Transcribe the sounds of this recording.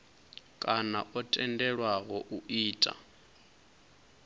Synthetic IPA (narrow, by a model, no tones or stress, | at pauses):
kʼana̰ʔɔtʼɛndɛɺwaɣɔʔuʔiːtʼa̰